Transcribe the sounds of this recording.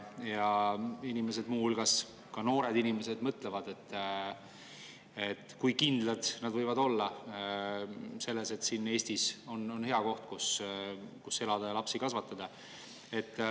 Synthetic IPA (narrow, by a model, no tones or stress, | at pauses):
jɑinime̞se̞d̪̥muːhulɡ̥ɑs | kɑno̞ːɾe̞d̪inime̞se̞d̪mɤt̪ˑlevɑd̪e̞t̪ːˑ | et̪ːˑkujkind̪lɑd̪̥nɑd̪̥vɤjvɑd̪o̞lːɑ | se̞lːe̞se̞t̪sinːe̞ːsʲt̪iso̞no̞nhe̞ɑko̞ht̪̚kus | kusːe̞lɑd̪̥ɑjɑlɑpsikɑsvɑt̪ːˑɑd̪̥ɑ | e̞t̪ːˑ